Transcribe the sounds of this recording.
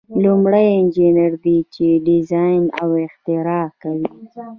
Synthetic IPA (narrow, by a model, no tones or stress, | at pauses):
lumɽəjɪnd͡ʒineɾd̪it͡ʃeɖɪzɑjna̰wɪxt̪ɪɾɑkawi